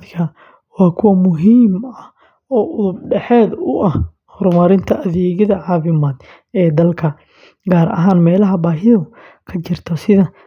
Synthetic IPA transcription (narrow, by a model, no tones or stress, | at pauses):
ðkʰɐ | wɑːkʰʊwɐmʊɦiːmɐh | ɔːʔʊðʊb̚ɖɛħɛːd̪ʊʔɐh | hɔrmɐɾɪnt̪ʰɐʔɐðɛːɣɐðɐʕɑːfɪmaːd̪ | ɛːd̪ɐlkʰɐ | ɡaːɾɐ̰ɦaːnmɛːlɐɦɐbaːɦɪðʊ | kʰɐt͡ʃɪrt̪ʰɔsɪðɐ